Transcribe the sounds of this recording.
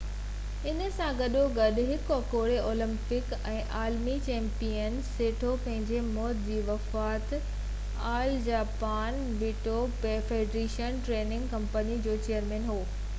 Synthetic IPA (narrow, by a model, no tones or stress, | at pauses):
ɪnə̆sãɡɐɗoɡɐɗʊɦɪkɐkoːɽeʔoːlɪ̃mpɪk | ɛ̃ːʔaːlmit͡ɕɛ̃ːmpijənseːʈʰopɐ̃ɦɪ̃ɲd͡ʑemɔːt̪d͡ʑiːʋɐfaːt̪ | aːld͡ʑaːpaːn | ʋɪːʈopeːfeːɖɾeːʃənʈɾeːnɪ̃ŋɡkɐ̃mpənid͡ʑoːt͡ɕejəɾmẽːnɦoː